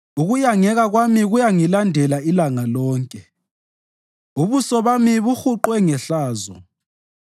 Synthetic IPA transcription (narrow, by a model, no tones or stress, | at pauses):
uɣujaŋɛɣaɣwamiɣujaŋilandʱɛlailaŋalɔːŋkʼɛ | uβusɔβamiβuxuǃwɛŋɛɬaːzɔ̰